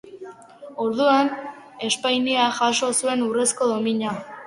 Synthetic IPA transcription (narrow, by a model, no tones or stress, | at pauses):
o̞ɾðuan | e̞spajniaxaʃo̞sue̞nure̞sko̞ðo̞miɲa